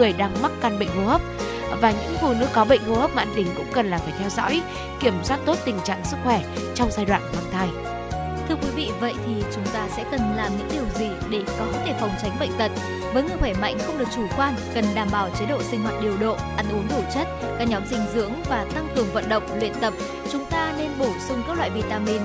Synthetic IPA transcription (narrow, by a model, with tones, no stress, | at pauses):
ŋɨ˨˩əjɗaː˧ŋm˦˥t̚ka˧nɓə̰˧˨jŋ̟hu˧hə˦˥p̚ | vaː˨˩ɲɨ̰˧˥ŋfṵ˧˨nɨ̰˧˥kɔ˨˦ɓə̰˧˨ŋ̟hu˧hə˦˥p̚maː˧nt̪ï˧˩ŋ̟kʊ̰˧˥ŋ͡mkə˨˩nlaː˨˩faː˧˩t̪ʰɛ˧wzɔ̰ː˧˥j | ki˧˩əmswaː˦˥t̚t̪o˦˥t̚t̪ï˨˩ŋ̟t͡ɕa̰ː˧˨ŋsɨ˦˥k̚xwɛ˧˩ | t͡ɕɔ˧wŋ͡mzaː˧jɗwa̰ː˧˨nhwaː˧˩nt̪ʰaː˧j | t̪ʰɨ˧əkwi˨˦vḭ˧˨və̰˧˨jt̪ʰi˨˩t͡ɕʊ˨˦ŋ͡mt̪aː˧sɛ̰˧˥kə˨˩nlaː˨˩mɲɨ̰˧˥ŋɗi˨˩əwzi˨˩ɗe˧˩kɔ˨˦t̪ʰe˧˩fwŋ͡mt͡ɕa˨˦ŋ̟ɓə̰˧˨jŋ̟t̪ə˨˩˨t̚ | vəː˨˦jŋɨ˨˧˩pʰaː˧˩ma̰˧˥jŋ̟xə˧wŋ͡mɗɨ˨˩ək̚t͡ɕu˧˩kwaː˧nkə˨˩nɗaː˧˩mɓaː˨˧˩wt͡ɕe˨˦ɗo̰˧˨sï˧ŋ̟hwaː˨˩t̚ɗi˨˩əwɗo̰˧˨ʔa˧˩ŋ̟ʔu˨˦əŋɗ̪u˧˩t͡ɕə˦˥t̚ | kaː˦˥k̚ɲɔ˨˦mzï˧˩ŋ̟zɨ̰˧˥əŋvaː˨˩t̪a˧ŋkɨ˨˩əŋvə̰˧˨nɗə̰˧˨wŋ͡mlwḭ˧˨ənt̪ə˨˩p̚ | t͡ɕʊ˨˦ŋ͡mt̪aː˧ne˧nɓo˧˩sʊ˧ŋ͡mkaː˦˥k̚la̰ː˧˨jvi˨˩t̪aː˧mi˧n